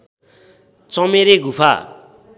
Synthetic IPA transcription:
t͡sʌmeɾeɡʱupʰa̰

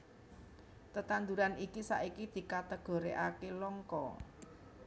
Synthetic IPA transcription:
t̪ət̪and̪uɾanikisa̰ʔikid̪̥i̤kat̪əɡ̥ɔ̤ɾeʔakelɔŋkɔ

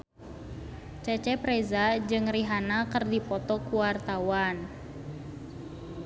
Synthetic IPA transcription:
t͡ʃɛt͡ʃɛpɾɛzad͡ʒɨŋriɦanakərdipɔt̪ɔkuwart̪awan

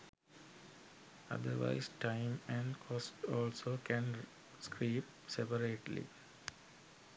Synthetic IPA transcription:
ʌ̰d̪əɾʋa̰ɪzʈãɪmæ̃ɳɖkʰɔsʈɔːlsoːkʰæ̃n | skʰʋiːp | sepəɾeːʈlḭ

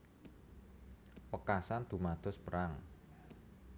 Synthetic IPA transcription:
pəkasand̪̥ṳmad̪̥ɔ̤spəɾaŋ

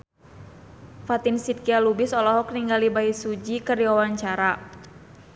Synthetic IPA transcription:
fat̪insit̪̚kialubɪsɔlɔɦɔk̚niŋɡalibaisud͡ʒikərdiwawaɲt͡ʃaɾa

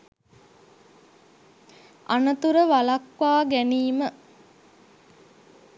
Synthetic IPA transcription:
a̰nət̪uɾəʋalakʋaːɡæniːmə

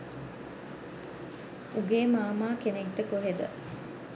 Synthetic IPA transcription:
uɡeːmaːmaːkenek̚t̪əkoɦed̪ə

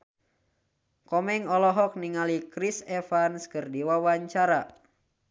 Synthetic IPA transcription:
kɔmɛŋɔlɔɦɔk̚niŋalikɾisɛfanskɨrdiwawaɲt͡ʃaɾa

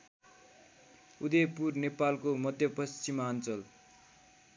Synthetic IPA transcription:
ud̪ejpurnepalkomʌd̪ʱjʌpʌst͡simant͡sʌl

